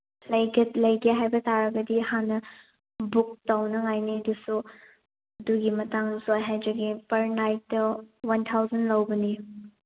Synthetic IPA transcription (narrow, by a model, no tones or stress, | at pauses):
lɐjɡɐtlɐjɡeɦajbɐtaɾɐɡɐdihanɐ | buk̚tawnɐŋajniɐdusu | ɐduɡimɐtaŋzojɦajd͡ʒɐɡipɐɾnajt̚dɐwɐntʰawzɐnlɐwbɐni